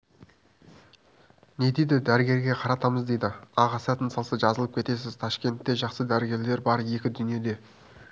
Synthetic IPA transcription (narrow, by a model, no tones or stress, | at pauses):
ne̞jd̪ejd̪ɪd̪æɾɪɡʲe̞ɾɡʲe̞qʰɑɾɑt̪ɑməzd̪e̞jd̪ɪɑʁɑsɑt̪ənsɑlˠsəʒɑzəlˠəp̚kʰʲe̞t̪e̞s̬ɪz̥t̪ʰɑʃkʲe̞nt̪ːe̞ʒɑqsəd̪æɾɪɡʲe̞ɾle̞ɾbɑɾje̞kʲɪd̪ʏnije̞d̪e̞